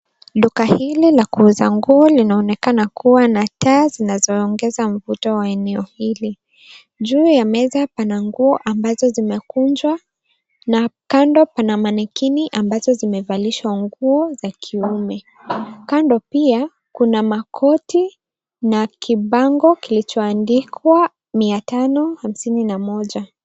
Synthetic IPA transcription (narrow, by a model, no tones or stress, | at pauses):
lukahililakuuzaŋɡuɔlinaɔnɛkanakʰuwanataːzinazɔːŋɡɛzam̩vutɔwaɛnɛɔhili | ʄuːjamɛzapanaŋɡuɔʔambazɔzimɛkund͡ʒwa | nakandɔpanamanɛkiniʔambazɔzimɛvaliʃwaŋɡuɔzakʰiumɛ | kandɔpia | kunamakʰɔti | nakʰiɓaŋɡɔkilit͡ʃɔandikwa | miatanɔham̩sininamɔʄa